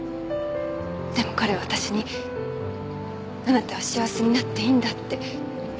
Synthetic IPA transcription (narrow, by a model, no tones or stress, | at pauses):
d̪̥e̞mo̞kaɾe̞aat̪aɕiɲ̟i | nanat̪ːeaɕiβaseɲ̟inat̪ːe̞ĩnd̪at̪ːe̞